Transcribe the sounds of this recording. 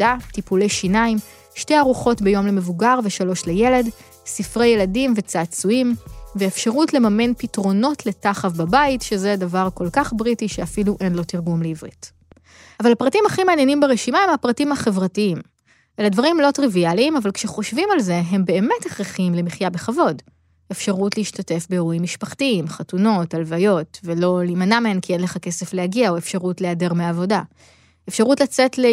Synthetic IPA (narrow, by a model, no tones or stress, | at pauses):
atipulejʃinaim | ʃte̞jaʁuχo̞tbe̞jo̞mleme̞vuɡaʁveʃalo̞ʃleje̞le̞d | sifʁejeladimvet͡saːt͡suimveːfʃaʁutle̞mame̞npitʁo̞no̞tle̞taχafbabaitʃe̞zedavaʁko̞lkaχbʁitiʃeafiluʔe̞nlo̞tiʁɡumleivʁḭt | avalhapʁatimhaχimeːnjenimbeʁeʃimae̞mhapʁatimhaχe̞vʁatiim | ʔeladvaʁimlo̞tʁivialiːmavalkʃeχo̞ʃvimalze̞ɦe̞mbe̞ːmeteχʁiχimlemiχjabe̞χavo̞d | efʃaʁutliiʃtate̞fbeeʁuimːiʃpaχtiimχatuno̞talvajo̞tvelo̞liːmanameenkienleχake̞se̞flehaɡiaoefʃaʁutleade̞ʁmeaːvo̞da | efʃaʁutlat͡se̞tle